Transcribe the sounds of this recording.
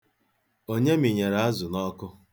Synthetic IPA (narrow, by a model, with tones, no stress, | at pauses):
o˦ɲe˦mi˨ɲe˨ɾa˨a˦zʊ˨nɔ˦kʊ˦